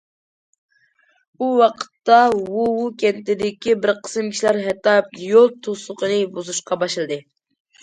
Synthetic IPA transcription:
uwɑqʰə̥t̪ːɑwuwukʲɛnt̪ɪd̪ɪkʲibɪɾqʰə̥sɨmkʲʰi̥ʃlæɾɦɛt̪ːɑp̚jolˠt̪ʰosʊqənɨbuzuʃqɑbɑʃɨlˠɨd̪ɨ

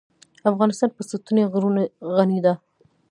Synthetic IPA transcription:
afɣɑnɪst̪ɑnpəsut̪uneɣɾunaɣanid̪a

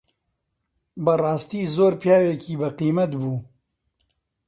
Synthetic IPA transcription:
bɐrɑːst̪iːzoːɾpjaːweːkiːbɐqiːmɐt̪buː

